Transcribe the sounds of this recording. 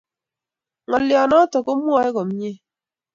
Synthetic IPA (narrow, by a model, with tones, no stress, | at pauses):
ŋɔ˨ljɔ˨nɔ˦tɔ˨ko˦mwɔ˦ɛ˦ko˨m˦ɲe˦